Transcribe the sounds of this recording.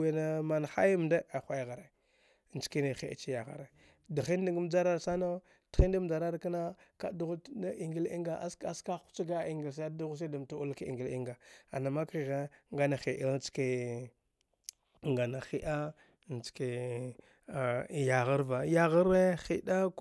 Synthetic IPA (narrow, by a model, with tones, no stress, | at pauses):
e˨na˨ma˨n˨xa˦jm˨nda˦a˨xʷa˦jɣa˨ɾe˨ | nt͡ʃki˦ne˨xḛ˨t͡ʃi˦ja˨ɣa̰˦ɾe˨ | da˨xi˦n˦di˦ɡm˦d͡ʒa˦ɾa˦ɾsa˦no˦ | d̥xi˦nda˦m˦d͡ʒa˨ɾa˦ɾka˦na˦ka̰˨˦du˦ɣu˦da˦ʔi˨ŋɡi˦lḭ˦ŋɡa˨ʔa˦sa˦ska˦u̥˦t͡ʃa˦ɡa˦i˨ŋɡi˨ls̬a˦du˦ɣu˦s̬e˦du˨mtu˦u˦lki˨ɡi˨li˦ŋɡa˨a̰˨na˨ma˦ki˨ɣa˦ŋɡa˦na˨xi˨ʔi˦lt͡ske˨ | ŋɡa˨na˨xi˦ʔa˦˨ | nt͡ʃke˨ | ja˨ɣa˦ɾva˨ja˦ɣa˦ɾe˦xi˦da˦k